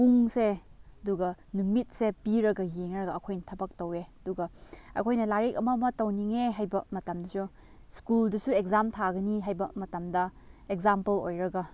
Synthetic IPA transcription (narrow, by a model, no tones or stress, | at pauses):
uŋseɐduɡɐnumit̚sepiɾɐɡɐjeŋɾɐɡɐɐkʰojnɐtʰɐbɐk̚tɐweɐduɡɐɐ̰kʰojnɐlaɾekɐmɐmɐtɐwniŋeɦajbɐmɐtɐmdɐsu | skuldɐsuek̚zamtʰaɡɐniɦajbɐmɐtɐmdɐ | ekzampɐlo̰jɾɐɡɐ